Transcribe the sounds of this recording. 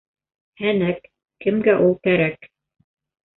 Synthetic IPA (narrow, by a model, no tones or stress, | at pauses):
hænækː | ɘ̆mɡæʔulˠkæɾæk